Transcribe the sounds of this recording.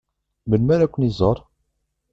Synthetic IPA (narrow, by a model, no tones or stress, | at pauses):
mənmæɾækʷːənizˤəɾˤ